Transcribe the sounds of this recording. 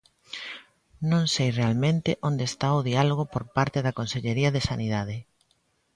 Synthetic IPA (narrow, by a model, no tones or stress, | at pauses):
nõŋsejrealmẽnt̪ɪʔond̪est̪aoðialoɣ̞opoɾpaɾt̪ɪðɐkonseʎeɾiɐðesaniðaðɪ